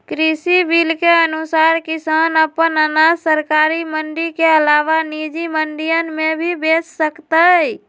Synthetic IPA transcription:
kɾisibilkeənusaɾkisanəpənənasəɾkaɾiməɳɖikeəlaʋanid͡ʒiməɳɖijənmebʱibet͡ʃsəkt̪ə

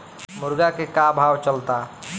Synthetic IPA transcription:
mʊɾɡakekabʱawt͡ʃəlt̪a

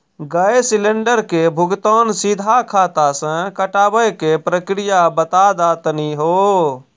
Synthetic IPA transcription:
ɡəjesileɳɖəɾkebʱʊɡt̪ɔnsid̪ʱakʰaːt̪asə̃kəʈaːbəjkepɾəkɾijabət̪ad̪at̪niɦo

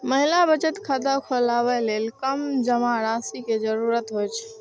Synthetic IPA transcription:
məɦilabət͡ʃət̪kʰad̪akʰolaβɛlelkəmd͡ʒəmaɾasiked͡ʒəɾuɾət̪ɦojt͡ʃʰ

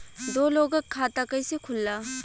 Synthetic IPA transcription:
dolɔɡɐkʰatakajsekʰulːa

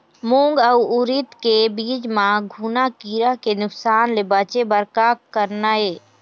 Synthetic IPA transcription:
mũːŋɡəuʊɾɪt̪kebiːd͡ʒmãɡʱuːnakiːɾakenʊksaːnlebaːt͡ʃebəɾkaːkəɾnaeː

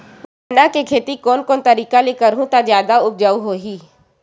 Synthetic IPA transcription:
nakekʰeːt̪ikoːnkoːnt̪ɐɾiːkalekɐɾɦũt̪azjaːd̪aʊp̚d͡ʒaːuɦoːɦiː

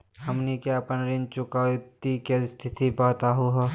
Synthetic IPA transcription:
hɐmnikjaɐpənɾɪ̃nt͡ʃʊkat̪ikest̪ʰɪt̪ibɔːt̪aɦuɦɛ

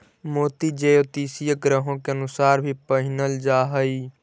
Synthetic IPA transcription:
moːt̪id͡ʒeːjot̪iːsijəɡɾəɦõkeɐnʊsaːɾbʱipəɦɪnəld͡ʒaːɦəiː

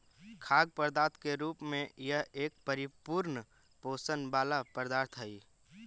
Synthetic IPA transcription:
kʰaːɡ̚pəɾd̪aːt̪̚ʰkeɾuːpmẽjəɦeːk̚pəɾɪpuɾn | poːsənbaːlapəɾd̪aːɾt̪ʰɦəiː

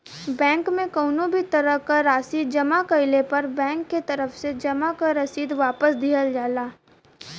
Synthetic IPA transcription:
bɛ̃ːŋkmẽkɔʊnõbʱit̪ɐɾəɦkaɾaːsiːd̪̚d͡ʒɐmakɐɪlepɐɾbɛ̃ːŋkːet̪ɐɾəfsed͡ʒɐmakaɾɐsiːd̪ʋaːpəsd̪ʱiːəld͡ʒaːlaː

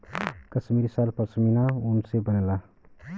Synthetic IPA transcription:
kəsmiɾsalpəsʰminaunsebənela

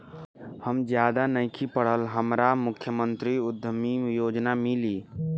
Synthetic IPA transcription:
həmd͡ʒjad̪anəɪkʰipəɽ̤əlɦəmɾamukʰːjəmənt̪ɾiud̪ʱːəmijod͡ʒnamili

